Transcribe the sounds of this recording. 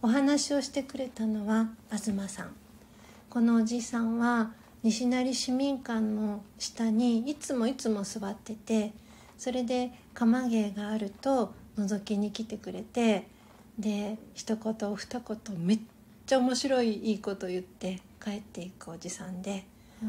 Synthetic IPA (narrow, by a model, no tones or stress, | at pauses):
o̞ɦanaɕio̞ɕi̥t̪e̞kɯ̟ɾe̞t̪ano̞βaːzɨmasã̰ŋ | ko̞no̞ːʑiːsãɰ̃βa | ɲ̟iɕinaɾʲiɕimʲĩŋkãnːo̞ɕi̥t̪aɲ̟iːt͡sɨmo̞it͡sɨmo̞sɨβat̪ːe̞t̪e̞ | so̞ɾe̞d̪e̞kamaɡe̞ːɡaːɾɯ̟t̪o̞no̞zo̞kʲiɲ̟ikʲit̪e̞kɯ̟ɾe̞t̪e̞ | d̪e̞çi̥t̪o̞ko̞t̪o̞ːɸɯ̥t̪ako̞t̪o̞me̞ː | aomo̞ɕiɾo̞iiːko̞t̪o̞jɯ̟t̪ːe̞ | kae̞t̪ːe̞ikɯod͡ʑisãnd̪e̞